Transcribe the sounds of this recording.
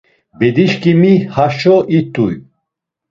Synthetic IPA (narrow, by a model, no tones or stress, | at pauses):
bɛd̪iʃkʼimihaʃɔʔit̪ʼṵj